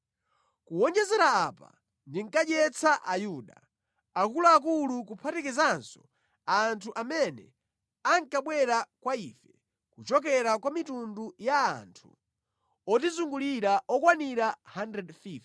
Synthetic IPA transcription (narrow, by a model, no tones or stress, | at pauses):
kuwɔnd͡ʒɛzɛɾaapa̰ | ndiŋ̩kad͡ʒɛt͡saʔajuɗa | akulaak̬ulukupʰatɛkizansɔ̥ | antʰuʔamɛnɛ̰ | aŋkaɓwɛɾakwaiːfɛ | kut͡ʃɔkɛɾakwamitunduja̰ːntʰu | ɔtizuŋɡuliɾaʔɔkwaniɾahandɾɛdfif